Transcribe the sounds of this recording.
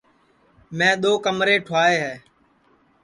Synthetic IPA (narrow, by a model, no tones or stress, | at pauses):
mɛ̃ːɗ̪oːkəmɾeːʈʰaːeːɦɛː